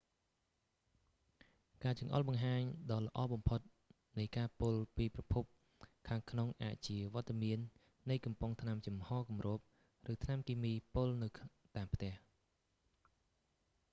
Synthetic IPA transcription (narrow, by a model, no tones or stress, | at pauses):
kaːt͡ɕɑŋʔɑ̰lɓɑŋɦaːɲɗɑːlə̆ʔɑːɓɑmpʰot̪̚ | nɨjkaːpʊlpiːprɑpʰup̚ | kʰaːŋkʰnoŋʔa̰ːc̚t͡ɕiəʋŏət̪ːamiənː | ɨjkɑmpʊŋt̪ʰnamt͡ɕɑmhɑːkumroːp̚ | rɨːt̪ʰnamkiːmiːpolnɨw | t̪aːmpʰt̪ɛ̆əh